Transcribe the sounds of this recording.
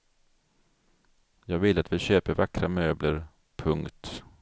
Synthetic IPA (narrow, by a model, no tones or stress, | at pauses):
jɑːɡvɪlːəat̪vɪɕøːpəɾvakɾamøːbləɾ | pʰɵŋkt̪